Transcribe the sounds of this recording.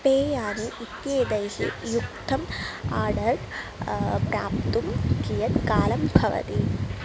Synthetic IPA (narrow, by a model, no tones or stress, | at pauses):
peːjaːniʔit̪jeːd̪ɐjʃḭjuk̚t̪ʰɐmaːɖɐɾʈ | pɾa̰ːp̚t̪umkijɐt̪kaːlɐmbʱɐʋɐ̰t̪i